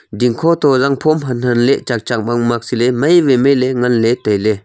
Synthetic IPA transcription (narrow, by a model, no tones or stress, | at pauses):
d̪iŋkʰɔt̪ɔzaŋpʰomɦanənleʔt͡ʃak̚t͡ʃak̚maŋmak̚silemajʋemeleŋanlet̪ale